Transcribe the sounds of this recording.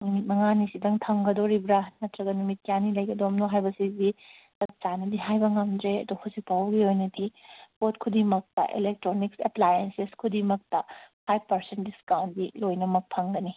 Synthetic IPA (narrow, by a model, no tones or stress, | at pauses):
numit̚mɐŋanisidɐŋtʰɐŋɡɐdoɾibɾanɐtɾɐɡɐnumit̚kjanilɐjɡɐdomnoɦajbɐsizitɐt͡ʃanɐdiɦajbɐŋɐmdɾeɐ̰d̪uhuzik̚pawɡiojnɐdipot̚kʰudimɐk̚tɐ̰ʔḛlek̚tɾonikseplajenseskʰudimɐk̚tɐpʰajbpɐɾsentdiskawntdilojnɐmɐk̚pʰɐŋɡɐni